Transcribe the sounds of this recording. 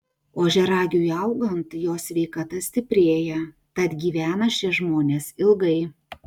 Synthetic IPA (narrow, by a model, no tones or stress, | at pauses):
oːʒʲɛɾɑːɡʲuːjɐˑʊɡɐnt̪joːsʲʋʲɛɪkɐt̪ɐsʲt̪ʲɪpʲɾʲeːjɛ | t̪ɐt̪ɡʲiːʋʲæːnɐʃʲɛʒmoːnʲeːsɪlˠɡɐɪ